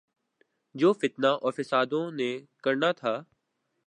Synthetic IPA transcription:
d͡ʒoːfɪt̪naʔɔːfɪsaːd̪õnẽkəɾnat̪ʰaː

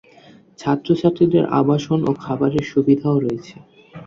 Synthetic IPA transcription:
t͡ɕʰat̪ːɾot͡ɕʰaʈ̪ːɾid̪eɾʔa̰baʃonokʰabaɾeɾʃubid̪ʱaoɾoet͡ɕʰe

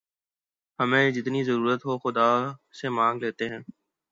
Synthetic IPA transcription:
hɐmẽːd͡ʒɪt̪nizəɾuːɾət̪ɦoxʊd̪aːsemãːŋɡleːt̪eɦɛ̃ː

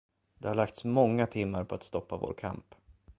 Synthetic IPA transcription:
d̪̥ɛhaɭak̚t̪smɔŋːat̪ʰɪmːaɾpʰɔat̪st̪ɔpːavo̰ːɾkʰa̰mp

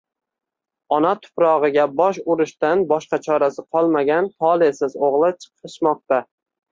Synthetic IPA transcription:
ɒnat̪ʰʊ̥pɾɒʁɨɡʲabɒʃʊɾɪʃt̪anbɒʃqɑt͡ʃʰɒɾasɪqʰɒlˠmaɡʲant̪ʰɒlˠesɪzoʁlˠɪt͡ʃʰɨ̥qʰɨʃmɒq̚t̪a

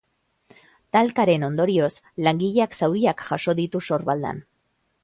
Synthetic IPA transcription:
t̪alkaɾe̞no̞nd̪o̞ɾio̞s | laŋɡiʎeaksawɾiakʝaʃo̞ðit̪uso̞ɾβald̪a̰n

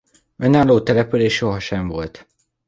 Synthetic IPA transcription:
ønaːloːt̪ɛlɛpyleːʃo̞ɦɒʃɛɱvo̞lt̪

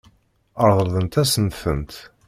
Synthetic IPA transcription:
əɾðˤəɾðˤənt̪æsənθənt̪

